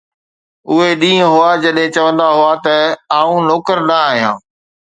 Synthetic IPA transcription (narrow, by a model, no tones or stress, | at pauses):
ʊɦeɗĩːə̃ɦʊad͡ʑɐɗɦɪ̃t͡ɕɐʋə̃nd̪aɦʊat̪ɐaːũnoːkəɾnɐaːɦijãː